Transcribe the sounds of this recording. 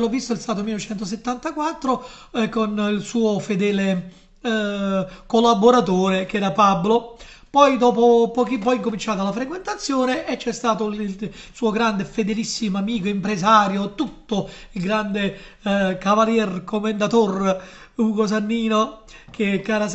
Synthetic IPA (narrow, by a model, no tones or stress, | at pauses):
lɔvːist̪oɛlst̪aːt̪̬omilːot͡ʃɛnt̪os̬et̪ːant̪akwat̪ːɾo | konilsuːofed̪ɛːle | kolːaboɾat̪oːɾekɛːɾapablo | pɔjd̪ɔːpopɔːkipːɔjiŋkomint͡ʃaːt̪alafɾekwent̪at̪sːjoːneʔːt͡ʃːɛst̪aːt̪oil | suːoɡɾand̪efed̪elisːimoamiːkoimpɾezaːɾjot̪ut̪ːo | ilɡɾand̪e | kavaljɛrkomend̪at̪or | uːɡos̬anːiːnokʰekːaːɾa